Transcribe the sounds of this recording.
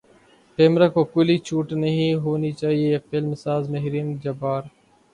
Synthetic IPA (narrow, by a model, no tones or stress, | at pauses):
ʈeːmɾaːkoːkʊliːt͡ʃʰuːʈnəɦĩːɦoːnit͡ʃaːɦieːɐpeːlmɪsaːzmɐɦɾiːnd͡ʒɐbaːɾ